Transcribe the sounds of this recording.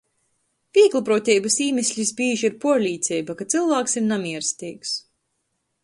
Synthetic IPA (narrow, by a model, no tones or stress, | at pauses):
pʲiɛklˠupɾuːt̪ʲɛjbɐsiːmʲɛsʲlʲisbiːʒiɾpuɔɾlʲiːt̪sʲɛjbakat̪silˠvaːksimnamiɛɾst̪ʲiːks